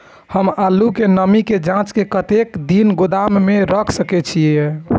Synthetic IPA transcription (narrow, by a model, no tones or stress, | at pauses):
həmalukenəmiked͡ʒãt͡ʃkekət̪ekd̪inɡud̪amːeɾəkʰsəkɛt͡ʃʰie